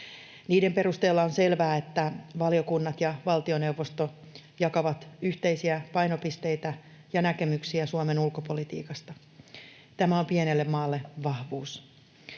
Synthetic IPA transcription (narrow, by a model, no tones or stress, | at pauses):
niːdempe̞rust̪e̞ːlːɑonse̞lʋæːet̪ːæʋɑliokunːɑt̪jɑʋɑlt̪io̞ne̞uwʋːo̞st̪o | jɑkɑʋɑt̪yçt̪e̞isiæpɑjno̞pist̪e̞jt̪æ | jɑnæke̞myksiæsuɑme̞nulkopo̞lit̪ḭːkɑst̪ɑ | t̪æmæo̞mpienelːemmɑːlːe̞ʋɑhʋuːs